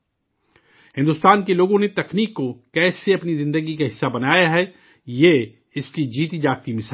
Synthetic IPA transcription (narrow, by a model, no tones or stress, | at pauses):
hɪ̃nd̪ʊst̪aːnkeloːɡõnet̪ɐkniːkːokɛːseɐpnizɪ̃nd̪əɡikaɦɪsːabɐnaːjaɦɛ | je | ɪskid͡ʒiːt̪id͡ʒaːkt̪imɪs